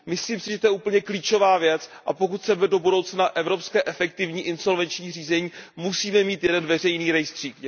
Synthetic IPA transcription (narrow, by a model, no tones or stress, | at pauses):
mɪsliːmsɪʒɛt̪ojɛuːpl̩ɲɛkliːt͡ʃo̞vaːvjɛt͡sʔapo̞kut̪sɛbɛdo̞budo̞wt͡snaʔɛvɾo̞pskɛːʔɛfɛkt̪ɪvɲiːʔɪnso̞lvɛnt͡ʃɲiːr̝iːzɛɲiːmusiːmɛmiːt̪jɛdɛnvɛr̝ɛjniːɾɛjst̪r̝̥iːk